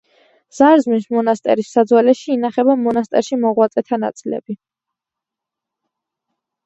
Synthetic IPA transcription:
z̥aɾzmismɔnast̪ʼɛ̰ɾisːad̪zwalɛʃiːnaχɛbamɔnast̪ʼɛɾʃimɔʁwat̪sʼɛt̪ʰana̰t̪sʼilɛ̰b̥i

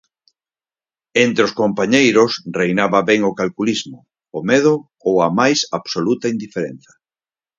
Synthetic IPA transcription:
ent̪ɾeoskompaɲejɾʊsrejnaβɐβɛŋokalkulizmʊː | meðʊ | owɐmajsaβsolut̪ɐind̪ifeɾen̟θɐ̥

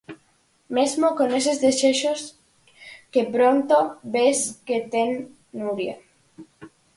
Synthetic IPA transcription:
mezmokones̬ezðeseʃos | kepɾont̪obesket̪eŋː | uɾja

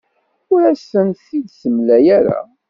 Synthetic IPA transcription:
ʊɾæsːənθid̪səmlæjæɾa̰

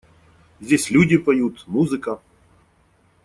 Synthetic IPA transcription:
zʲdʲesʲlʲudʲɪpɐjut̪muzɨkə

